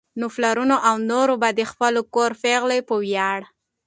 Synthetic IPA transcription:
nʊflaɾunoʔawnoɾobad̪expəlokoɾfeɣlepəwjaɽ

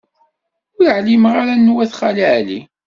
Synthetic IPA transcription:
ʊɾʕlimʁaɾanːwæθχaliʕlḭ

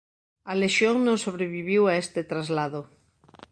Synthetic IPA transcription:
aleʃjoŋnõŋsoβɾeβiβ̞iwaest̪et̪ɾazlaðo

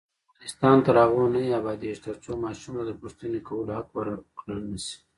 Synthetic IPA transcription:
ɪst̪ɑnt̪aɾɑɣunaiabɑd̪iʃt̪aɾt͡somɑʃumad̪əpust̪inikawəlohakwaɾkləlnəsi̥

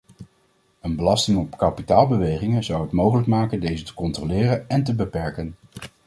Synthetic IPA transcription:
ənbəlɑstɪŋɔpkɑpitaːlˠbəʋejχɪŋəzɑwɦətmowχələkmaːkəndejzətə̥kɔntrolɪːrənɛnt̬əbəpɛɹkən

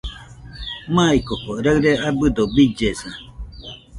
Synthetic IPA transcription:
mãikokoɾaɯɾeʔabɨd̪obid͡ʒesã

